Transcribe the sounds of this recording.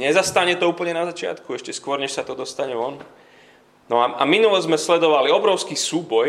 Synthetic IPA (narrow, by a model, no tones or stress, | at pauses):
ɲɛzast̪aɲɛt̪ɔuːpl̩ɲɛnazat͡ʃɪa̰t̪kuɛʃcɛskʊɔɾɲɛʃsat̪ɔd̪ɔst̪aɲɛʋɔn | nɔaʔa̰minulɛzmɛslɛd̪ɔʋaliɔbɾɔʊskisuːbɔj